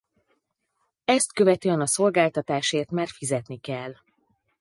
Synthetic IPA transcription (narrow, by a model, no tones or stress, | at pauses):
ɛst̪kø̞vɛt̪øːɛnɒso̞lɡaːlt̪ɒt̪aːʃeːrt̪maːrfizɛt̪nikɛlː